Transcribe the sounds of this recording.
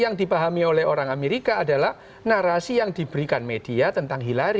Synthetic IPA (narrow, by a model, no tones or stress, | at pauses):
jaŋdipaɦamiolɛhoɾaŋameɾikaːdalah | naɾasijaŋdibəɾikanmed̥iat̪ənt̪aŋɦilaɾi